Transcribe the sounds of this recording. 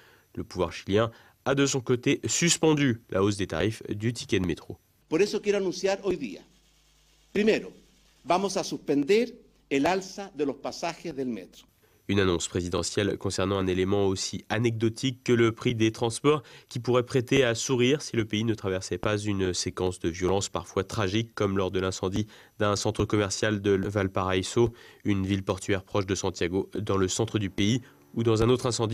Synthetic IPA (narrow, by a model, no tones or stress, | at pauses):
ləpuvwa̰ʁʃiljɛ̃ | ad̪əsɔ̃kot̪esyspɑ̃d̪ylʔa̰oz̬d̪et̪a̰ʁifd̪yt̪ʰi̥kʲɛd̪met̪χo | poɾesokjeɾoanũnsjaɾojðḭa̰ | pɾimeɾo | bamosasuspend̪eɾ | elalsaðelospasaxezðelmḛt̪ɾo̥ | ynanɔ̃spχezid̪ɑ̰̃sjɛlkɔ̃sɛʁnɑ̃ɛ̃nelemɑ̃osianɛɡ̚d̪ɔt̪ʰikːələpχid̪et̪χɑ̃spɔʁkʲipuʁɛpχet̪easuʁiʁsiləpeinət̪χavɛʁsɛpazynsekɑ̃sd̪əvjɔlɑ̃spa̰ʁfwat̪χaʒikːɔmlɔʁd̪əlɛ̃sɑ̃d̪i | d̪ɛ̃sɑ̃t̪χəkɔmɛʁsjald̪əvalpaʁajsoynvilpɔʁt̪ɥɛʁpχɔʃd̪əsɑ̃t̪jaɡod̪ɑ̃ləsɑ̃t̪χəd̪ypei | ud̪ɑ̃zɛ̃not̪χɛ̃sɑ̃d̪i